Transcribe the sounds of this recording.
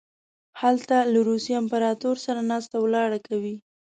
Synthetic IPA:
halt̪alaɾusijɪmpaɾɑt̪oɾsaɾanɑst̪awlɑɽakawi

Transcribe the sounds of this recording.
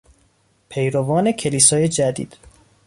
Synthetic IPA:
pʰejɾovɒːne̞cʰeliːsɒːje̞d͡ʒæd̪ḭːd̪̥

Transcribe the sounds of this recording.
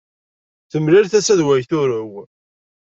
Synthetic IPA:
θəmlɪɾθæsæðwæjθʊɾəw

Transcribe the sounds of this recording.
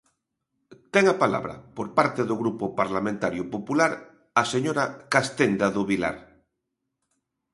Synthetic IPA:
t̪eŋapala̰β̞ɾa̰poɾpaɾt̪eðoɣɾupopaɾlamẽnt̪aɾjopopulaɾ | aseɲoɾakast̪end̪aðoβila̰ɾ

